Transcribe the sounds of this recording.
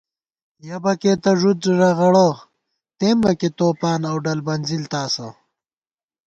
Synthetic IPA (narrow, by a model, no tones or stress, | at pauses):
jɐbɐket̪ɐʐud̪̚ɾiɾaɣɐɽo | t̪eːmbɐket̪oːpaːnawɖɐlbɐnzilt̪aːsɐ̰